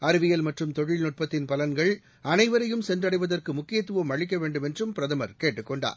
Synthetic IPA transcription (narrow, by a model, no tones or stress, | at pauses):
ɐɾɯʋɪjɐlmɐʈrɯmt̪ɔɻɪɭnɔʈ̚pɐt̪ːɪnpɐlɐnɡɐɭ | ɐnɐɪʋɐɾɐjɯmsɛndrɐɽɐɪʋɐðɐrkɯmʊkːɪjɐt̪ːɯʋɐmɐɻɪk̬ːɐʋeːɳɖɯmɛndrɯmpɪɾɐðɐmɐɾkeːʈːɯkːɔɳɖa̰ːɾ